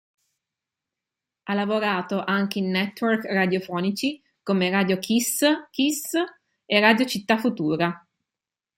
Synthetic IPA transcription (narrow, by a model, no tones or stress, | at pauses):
alːavoɾaːt̪oʔaŋk̟einːɛt̪ːwɛrkrad̪jofɔːnit͡ʃi | komeraːd̪jokʰiskis | erad̪jot͡ʃit̪ːafut̪uːɾa